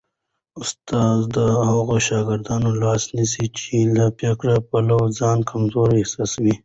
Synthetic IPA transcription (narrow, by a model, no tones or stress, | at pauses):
ʊst̪ɑːzd̪əɦaɣoʃɑːɡɪɾd̪ɑːnolɑːsnisit͡ʃilapjakɽapalawzɑːnkʰamzoɾehsɑswi